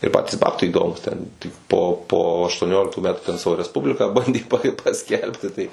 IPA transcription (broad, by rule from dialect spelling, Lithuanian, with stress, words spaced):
ɪr ˈpɑːtʲiːs ˈbɑːptɐɪ iːˈdoːmuːs ˈtʲɛn tʲɪk poː poː ɐʃtuɔˈnʲoːlʲɪktuː ˈmʲæːtʊ tʲɛn ˈsɑːʋoː rʲɛsˈpʊbʲlʲɪkɑː ˈbɐnʲdʲeː pɐ pɐˈsʲkʲɛlʲpʲtʲɪ ˈtɐɪ